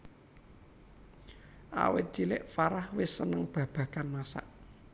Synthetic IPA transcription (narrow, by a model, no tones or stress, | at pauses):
ʔa̰wɪ̰t̪̚d͡ʒ̥ilɪʔfaɾahwɪsːənəŋb̥ä̤b̥ä̤kanmasa̰ʔ